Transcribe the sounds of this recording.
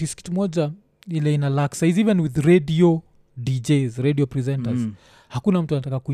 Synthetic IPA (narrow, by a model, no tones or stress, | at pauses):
iski̥tmɔd͡ʒa | ilɛinalaksajzivɛnwiðɾediɔ | did͡ʒezɾediɔpɾizɛ̃ntaz | hakunam̩tuanatakaku